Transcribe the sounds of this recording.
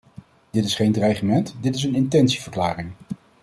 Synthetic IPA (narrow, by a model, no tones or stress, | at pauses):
d̥ɪtɪsχejndrajχəmɛntdɪtɪs̬ənɪntɛnsivəɹklaːrɪŋ